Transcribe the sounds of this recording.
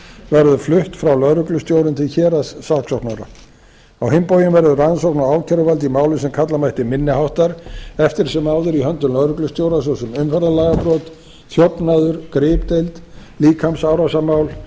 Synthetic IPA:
vɛɾðʏflʏht̪fɾawlœðɾʏklʏst̪joːwɾʏnt̪ʰɪlçɛːɾasːaksɔwknaɾa̰ | awhɪmpoːwjɪmvɛɾðʏransɔwhknaaːwcʰɛɾʏvalt̪̬imaːwlʏsɛmkʰat̪lamajht̪ɪmɪnːɪɦawht̪aɾɛft̪ɪɾ̥sɛmawðʏɾihœnt̪ʏmlœðɾʏklʏst̪joːwɾasɔsɛmʏnfɛɾðalaːɣapɾɔt̪ | θjɔpnaðʏɾ̥kɾɪːpt̪ejlt̪liːkʰamsawɾasamaːwl

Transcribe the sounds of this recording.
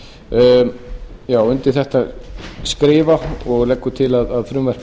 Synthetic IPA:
jaːwʏnt̪ɪ̥θɛht̪askɾɪːvaɔɣlɛkːʏt̪ʰɪlaðaðfɾʏmvɛr

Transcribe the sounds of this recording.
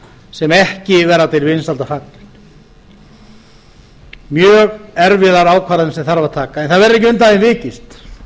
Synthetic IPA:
sɛmɛhcɪvɛːɾat̪ʰɪlvɪnsalt̪afak̪nɪ̥ | mjœːɣɛɾvɪðaɾaːwkʰvaːɾaðɪnsɛmθaɾvaðt̪ʰaːkaɛnθaðvɛɾɪɾɛhc̬ɪʏnt̪aðɪnvɪːcɪst̪

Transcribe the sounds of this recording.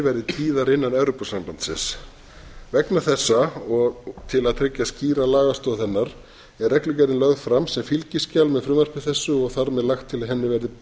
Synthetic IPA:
vɛɾðɪt̪ʰiːðaɾɪnːanawɾopasamlant̪sɪ̰s | vɛknaθɛsːaɔɣt̪ʰɪlaðt̪ʰɾɪcːasciːɾalaːɣast̪ɔðθɛnːaɾ̥ | ɛɾɛklɪcɛɾɪnlœɣfɾamsɛmfilcɪscalmɛðfɾʏːmaɾ̥pɪ̥θɛsːʏɔɣθaɾmɛðlaxt̪ʰːɪlaɦɛnːɪvɛɾðɪ

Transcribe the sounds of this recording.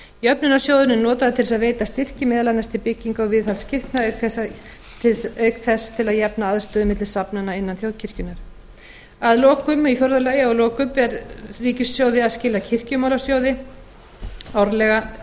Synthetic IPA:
jœpnʏnasjowðʏnʏnɔːt̪aðat̪ʰɪlsaðveːjt̪ast̪ɪr̥cɪmɛːðalanːast̪ɪpɪcːiŋkɔɣvɪðθalscɪr̥knaœɥkθɛsa | œɥkθɛsːt̪ʰɪlaðjɛpnaaðst̪œːðʏmɪt̪lɪ̥sapnanaɪnːanθjowðcʰɪr̥cʏnaɾ̥ | aðlɔːkʏmifjɔɾðalaːjɪɔɣlɔːkʏmpɛɾriːcɪsːjowðɪaðscɪːlacʰɪr̥cʏmawlasjoːwðɪ | awɾlɛɣa

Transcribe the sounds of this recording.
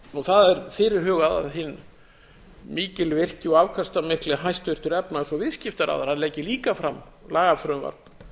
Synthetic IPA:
ɔθaðɛɾfɪɾɪɾ̥ɦʏːɣaða̰ðɦɪnː | miːcɪlvɪr̥cɪɔavkʰast̪amɪhklɛɦajst̪vʏr̥t̪ʏɾɛpnaɛsɔvɪðscɪft̪aɾa̰wðaɾ̥hanlɛːjcːɪliːkafɾamː | laːɣaθɾœnva̰ɾt̪

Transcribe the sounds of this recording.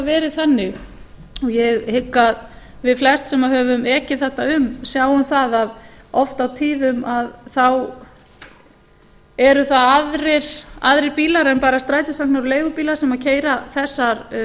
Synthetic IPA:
vɛːɾɪðθanːɪɣ | ɔjɛɣhɪkːað | vɪðflɛst̪sɛmaɦœːvʏmɛːcɪθɛht̪aʏmsjawʏmθaðaðɔft̪awt̪ʰiːðʏmaðθaw | ɛɾʏθaaðɾɪɾ̥a̰ðɾɪɾpiːlaɾɛnpaːɾast̪ɾaːjt̪ɪsak̚naɾɔleːjɣʏpiːlaɾ̥sɛmaðcʰeːjɾaθɛsːaɾ

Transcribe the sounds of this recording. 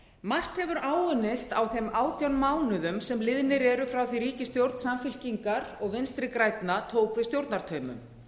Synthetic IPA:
mar̥t̪hɛvʏɾaːwʏnɪst̪awθɛmaːwt̪jawnmaːwnʏðʏmsɛmlɪðnɪɾɛɾʏfɾawθiriːcɪst̪jowɾt̪nsamfɪl̥ciŋkaɾɔɣvɪnst̪ɾɪkɾajt̪nat̪ʰoːwkvɪðst̪jowɾt̪naɾ̥t̪ʰœːɥmʏ̰m

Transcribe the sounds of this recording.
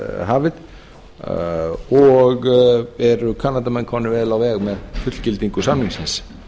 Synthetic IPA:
ɦaːvɪð | ɔɣɛɾʏkʰaːnːat̪̬amɛnkʰvɔnːɪvɛːðlawvɛːɣmɛðfʏt̪l̥cɪlt̪iŋkʏsamnliŋsɪns

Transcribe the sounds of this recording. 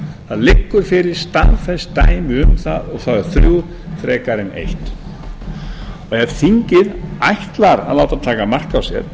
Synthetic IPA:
θaðlɪkːʏɾ̥fɪɾɪɾ̥st̪anfɛstt̪a̰ːjmɪʏmθa̰ðɔɣθaðʏɾ̥θɾuw | θɾɛːkaɾɪnḛjht̪ | ɔɣɛð̥θiɲcɪðajht̪laɾa̰ðlaːwt̪at̪ʰaːkamar̥kawsjɛ̰ɾ̥

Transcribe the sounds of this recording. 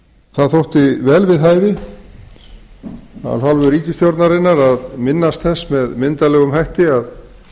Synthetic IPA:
θaðθowht̪ɪvɛːlvɪðɦaːjvɪ | a̰lɦalvʏɾiːcɪst̪jowɾt̪naɾɪnːaɾaðmɪnːast̪θɛsːmɛðmɪnt̪alɛːɣʏmhajht̪ɪað

